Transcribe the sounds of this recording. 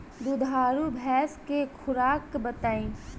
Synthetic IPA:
d̪ʊd̪ʱaːɾubʱɛːskekʰʊɾaːkbət̪aːĩː

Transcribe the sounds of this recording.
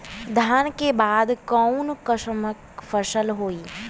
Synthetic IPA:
d̪ʱaːnkebaːd̪kɔʊnkəʃməkfəʃəlɦoːiː

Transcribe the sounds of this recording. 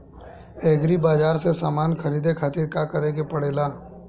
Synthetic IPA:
eːɡɾibaːd͡ʒaːɾsesaːmaːnxʰɐɾiːd̪ekʰaːt̪iɾkakəɾẽɡepɐɽ̤eːlaː

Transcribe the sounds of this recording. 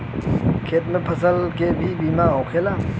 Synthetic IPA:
kʰet̚nəpʰəsəlkebʱibimaɔwkʰela

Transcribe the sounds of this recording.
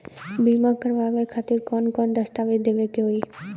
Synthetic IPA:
bimakəɾbabekʰat̪iɾkɔnkɔnd̪əst̪abit̪̚d̪ebekeoi

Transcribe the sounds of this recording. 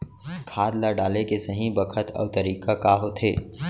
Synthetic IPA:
kʰaːd̪laɖaːlekesɐɦĩbɐkʰət̪ʰɔ̰ːʋt̪ɐɾiːkakaːɦot̪ʰḛː

